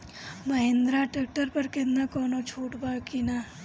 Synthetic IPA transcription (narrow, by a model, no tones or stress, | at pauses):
məɦẽnd̪ɾaʈeːk̚ʈəɾpɐɾkẽnd̪akɔːnot͡ʃʰoːʈbakinaː